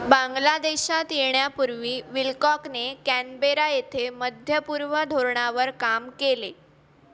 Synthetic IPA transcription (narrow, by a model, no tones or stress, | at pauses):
baŋɡlad̪eɕat̪jeɳjapuɾʋiːʋilkɔknekænbeɾajet̪ʰeməd̪ʱjəpuɾʋəd̪ʱoɾɳaʋəɾkamkele